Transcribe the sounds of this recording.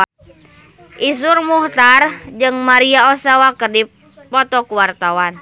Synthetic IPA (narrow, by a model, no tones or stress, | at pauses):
ʔis̬urmuht̪ard͡ʒɨŋmaɾiaɔsawakədipː | ɔt̪ɔkuwart̪awan